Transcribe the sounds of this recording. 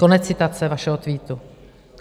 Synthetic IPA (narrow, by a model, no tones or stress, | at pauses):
o̞nɛt͡st͡sːɪt̪at͡sɛvaʃɛɦot̪viːt̪u